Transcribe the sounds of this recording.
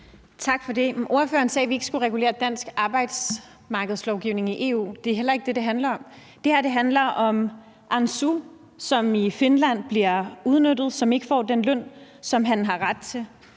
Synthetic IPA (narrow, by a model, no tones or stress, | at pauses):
t͡sʰɑ̈ɡ̥fɒ̽de̝ʔo̝ɐfø̰ːɐnsɛːʋie̝ɡ̥əsɡ̥uʁɛɡ̥ule̝̰ːɐd̥æn̰sɡ̥ɑ̈ːb̥ɑ̈ɪd̥s | mɑ̈ːɡ̥əð̞̩ˠslɒʊɡ̥iʊne̝ŋiʔe̝ːṵːd̥e̝ɦel̰ɐe̝ɡ̥əd̥e̝d̥e̝ɦænlɐɒ̽m | d̥e̝hæɐd̥e̝ɦænlɐʔɒ̽m | ʔɑnsu | sɒ̽mife̝nlæn̰b̥liɐuð̞ˠnød̥ð̩ˠsɒ̽me̝ɡ̥əfɒ̰ːd̥enlœn̰sɒ̽mɦænɦɑ̈ʁad̥̚t͡sʰe̝l